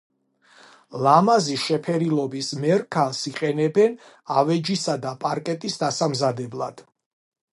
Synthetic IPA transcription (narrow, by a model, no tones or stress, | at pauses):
lamaziʃɛpʰɛɾilˠɔbismɛɾkʰalˠsiqʼɛnɛbɛn | avɛd͡ʒisad̪apʼaɾkʼɛt̪ʼisd̪asamzad̪ɛblˠad̪̥